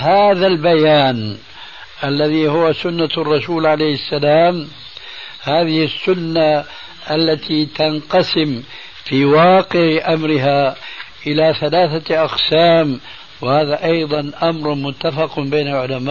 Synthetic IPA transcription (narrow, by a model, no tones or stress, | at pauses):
haːðalbajaːn | ʔalːaðiːhʊwasʊnːarˤːɑsuːlʕalejhɪsːalaːm | haːðɪhɪsːʊnːa | ʔalːat̪iːt̪anqɑsɪm | fiːwɑːqɪʕʔamɾɪɦaːʔɪlaːθalaːθaʔɑqsaːm | wɪhaːðaʔɑjðˤɑnʔamɾˤmʊt̪ːafɑqbeːnalʕʊlamaː